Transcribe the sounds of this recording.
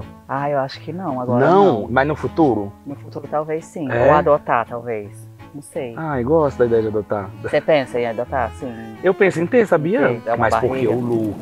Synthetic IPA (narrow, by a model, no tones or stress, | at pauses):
aewaʃʊ̥kɪnɐ̃w̃aɡɔɾnɐ̃w̃mɐznʊfut̪uɾʊnʊfut̪uɾʊt̪awvejsĩɛowad̪ot̪at̪awvejsnɐ̃w̃sejaewɡɔst̪ʊd̪ɐid̪ɛjɐd͡ʒɪad̪ot̪asepẽsɐẽad̪ot̪aɾsĩewpẽsʊẽt̪esabiɐɛ̃majsbapokeewluk